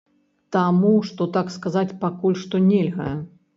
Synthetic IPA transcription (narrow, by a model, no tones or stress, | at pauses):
t̪amuʂt̪ɔt̪akskazat͡sʲpakulʲʂt̪ɔnʲelʲɣɐ̰ɛ